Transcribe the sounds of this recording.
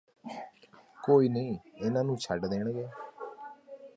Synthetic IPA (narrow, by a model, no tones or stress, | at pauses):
koːiːnĩːɪnãːnũːt͡ʃʰəɖd̪eːɳɡeː